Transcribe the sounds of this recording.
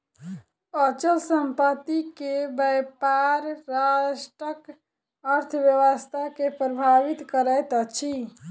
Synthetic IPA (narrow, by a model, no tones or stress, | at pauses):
ət͡ʃəlsəmpət̪ikebəjpaɾːaʃʈɾək | əɾt̪ʰʋjəʋəst̪ʰakepɾəbʱaʋit̪kəɾət̪ət͡ʃʰi